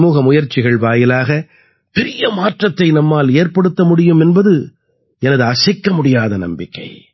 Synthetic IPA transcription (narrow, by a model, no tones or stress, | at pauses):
muːɣɐmʊjɐɾt͡ʃːɪɣɐɭʋaːjɪlaːɣɐ | pɛɾɪjɐmaːʈrɐt̪ːɐɪnɐmːaːleːɾpɐɽɯt̪ːɐmʊɽɪjɯmɛnbɐðɯ | ɛnɐðɯɐsɐɪkːɐmʊɽɪjaːðɐnɐ̰mbɪkːɐ̰ɪ